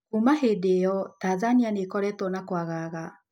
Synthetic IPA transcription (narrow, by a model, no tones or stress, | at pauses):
kumahedejɔtaːðanianekɔɾɛtɔnakwaɣaːɣa